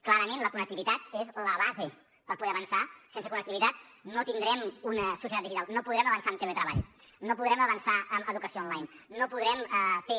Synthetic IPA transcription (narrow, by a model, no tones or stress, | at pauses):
klaɾəmẽnləkunək̚t̪iβit̪at̪ezləβaze | pəɾpuðɛəβənsasensəkunəkt̪iβit̪at̪not̪ind̪ɾɛmunəsusijt̪at̪iʒit̪alˠnopuðɾɛməβənsaəmt̪elet̪ɾəβ̞a̰ʎ | nopuðɾɛməβənsaʔəməðukəsioɔnlajnːopuðɾɛməfe